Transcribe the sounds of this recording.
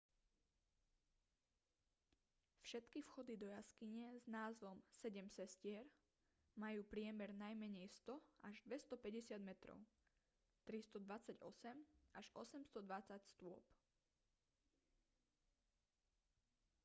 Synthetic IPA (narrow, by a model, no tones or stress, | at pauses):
fʃɛt̪kifxɔd̪id̪ɔjaskiɲɛznaːzʋɔmsɛɟɛmsɛscɪɛɾ | majuːpɾɪɛmɛɾnajmɛɲɛjst̪ɔʔaʒd̪ʋɛst̪ɔpɛɟɛsɪad̪mɛt̪ɾɔ̰ʊ | t̪ɾist̪ɔd̪ʋat͡saɟɔsɛmʔaʒɔsɛmst̪ɔd̪ʋat͡sacst̪ʊɔ̰p